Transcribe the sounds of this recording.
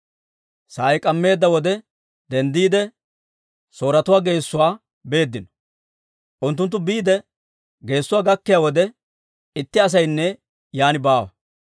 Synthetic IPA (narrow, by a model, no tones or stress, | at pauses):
saːjkʼɐmːe̞ːd̪ːɐwɔd̪ɛ | d̪ɛnd̪iːd̪ɛ | so̞ːɾɐt̪ʊwaːɡe̞ːsːʊwaː | be̞ːd̪ːɪnɔ̥ | ʔʊnt̪̬ːʊnt̪ːʊbiːd̪ɛ | ɡe̞ːsːʊwaːɡɐkːɪjaːwɔd̪ɛ | ɪt̪ːɪɐs̬ɐjnːɛ | jaːnɪbaːwɐ̰